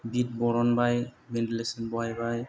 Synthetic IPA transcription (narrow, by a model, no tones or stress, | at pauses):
bit̚bɔɾɔnbajbɛndilesɔnbɔajbaj